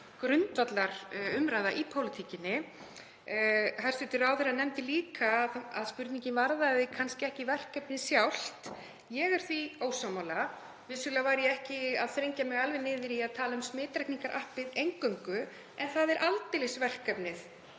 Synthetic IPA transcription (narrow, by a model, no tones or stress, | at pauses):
kɾʏnt̪vat̪laɾ̥ʏmɾaːjðaʔipʰowlɪt̪ʰicɪnːɪ | hajsɪt̪ɪɾawθɛɾanɛmt̪ɪliːkaːðaðspʏɾt̪niŋɲcɪnvaɾðaðɪkʰanscɪɛhcɪvɛr̥kœpnɪðsjawl̥t̪ | jɛɣaɾ̥θvioːwsamawla | vɪsʏlavajɾjɛɛhcɪaðθɾejɲcamɛɣalvɪnɪːðɪɾiaðt̪ʰaːlaʏmsmɪːt̪ɾahkniŋkaɾʔahpɪðejŋkœŋkʏ | ɛnθaðɛɾʔalt̪ɪlɪsvɛr̥kɛpnɪθ